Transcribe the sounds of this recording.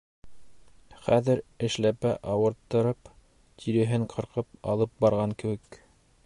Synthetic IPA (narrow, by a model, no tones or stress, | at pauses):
χæðɘɾɘ̆ʃlæpæʔɑwɤ̆ɾt̪ːɤ̆ɾɤp | t̪ʰiɾɘ̆ɦɘɴqʰɤ̆ɾqɤp̚ɑ̰lˠɤp̚bɑɾʁɑŋkɘ̆wɘk